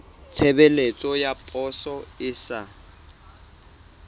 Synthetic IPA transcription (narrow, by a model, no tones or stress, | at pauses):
t͡sʰebelet͡sʼɔjapʼɔsɔɪsa